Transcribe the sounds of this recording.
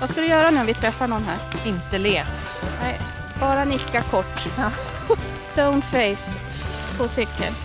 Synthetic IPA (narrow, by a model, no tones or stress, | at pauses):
vaskad̪ɵjœːɾanʉːɔvɪt̪ʰɾɛfːaɳɔnɦæːɾɪnt̪əleːt | nɛɪ | b̥ɑːɾanɪkːakʰɔʈː | st̪əʊnfɛjs | pʰosʏkʰːə̰l